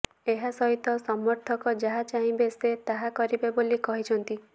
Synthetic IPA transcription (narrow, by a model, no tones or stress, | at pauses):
eɦasɔɦit̪ɔsɔmɔɾt̪ʰɔkɔd͡ʒaɦat͡ʃaɦĩbeset̪aɦakɔɾibebolikɔɦit͡ʃʰɔnt̪i